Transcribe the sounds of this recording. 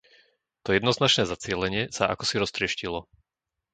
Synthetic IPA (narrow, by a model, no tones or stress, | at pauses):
t̪ɔjɛd̪nɔznat͡ʃnɛːzat͡sɪɛlɛɲɪɛsaʔa̰kɔ̥siɾɔst̪ɾɪɛʃcilɔ